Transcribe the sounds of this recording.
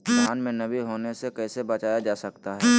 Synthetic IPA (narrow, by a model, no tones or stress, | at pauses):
d͡ʒaːnmẽnɐbʱiɦoːnesekɛːsebɐt͡ʃaːjad͡ʒaːsɐkt̪aɦɛː